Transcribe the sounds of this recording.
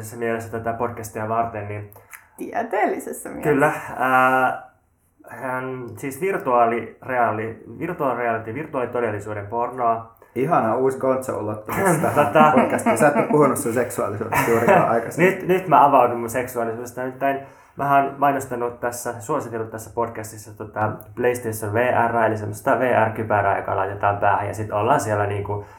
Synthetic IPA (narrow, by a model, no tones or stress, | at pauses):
sesːæmielesːæt̪æt̪æpod̥kæst̪iɑʋɑrt̪ennint̪iæt̪eːlːisesːæmikylːæəː | nsiːsʋirt̪uɑːlireɑlːiʋirt̪uɑlreɑlit̪iʋirt̪uɑːlit̪odelːisuːdempornoɑihɑnɑuːsɡont̪sɑ̰o̰lːot̪ːomot̪ɑt̪ot̪ɑpodkæst̪sæˑt̪ːopuhunussenseksuɑ̰lisṵːdsjuːrɑ̰ʔɑ̰ikɑsnyt̪nyt̪mæɑʋɑudummunseksuɑlisuːdest̪ɑt̪ːæin | mʔæoːnmɑinost̪ɑnut̪t̪æsːæsuosit̪elːut̪t̪æsːæpodkæst̪isːɑt̪ot̪ɑpleist̪eisːonʋeːʔærːæelisemːost̪ɑʋeːʔærkypæɾæ̰jo̰kɑ̰lɑ̰it̪et̪ɑːmpæːhæ̰jɑ̰sit̪olːɑːnsielːæniːŋku